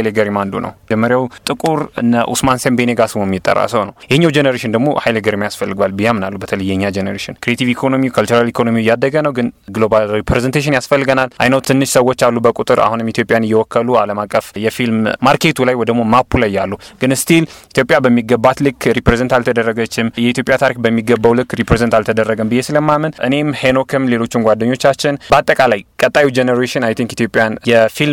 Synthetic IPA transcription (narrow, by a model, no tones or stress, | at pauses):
jleɡəɾimand̪unə̰wd͡ʒɛmːəɾjawt̪ʼɨkʼuɾɨ̰nːəʔṵsmansembeneɡasɨwomːjit̪ʼːə̰rːa̰səwnəwjɛhɪɲːawd͡ʒenəɾeʃɪnd̪əɡmo̞̰hajleɡəɾimjasfəlːɨɡwalbɨjamɨnalːubət̪ʰələjːɛɨɲːad͡ʒenəɾeʃɪnkʰɾijet̪ʰivikʰonomikʰəlt͡ʃuɾalikʰonomijad̪ːəɡənəwɡɨnɡlobalɾipɾezent̪ʰeʃ̬ɪnjasfəlːɨɡənalʔa̰jnəwt̪ʰɨnːɨʃsəwːot͡ʃːalːubəkʼut̪ʼɨɾa̰hunɨmit̪ʰjopʼjanɨjːɛwɔkʰːəlualəmakʼːəfjɛfilmmaɾkʰe̞t̪ʰulajwɔjd̪əɡmo̞mapʰːulajːalːuɡ̥ɨnɨst̪ʰilit̪ʰjo̞pʼjabəmːiɡəbːat̪lɨkːɾipɾezənt̪alt̪ʰəd̪ərːəɡət͡ʃːɪmjɛit̪ʰjopʼjat̪ʰaɾikbəmːiɡəbːawlɨkːɾipɾezənt̪alt̪ʰəd̪ərːəɡəmbɨjːesɨləmːamənʔɨne̞mheno̞kʰɨmle̞lo̞t͡ʃːɪmɡʷad̪ːəɲːo̞t͡ʃːat͡ʃːɪnbəat̪ʼːəkʼalajkʼət̪ʼːajiwd͡ʒenəɾeʃɪnajt̪ʰiŋkit̪ʰjo̞pʼijanjɛfilm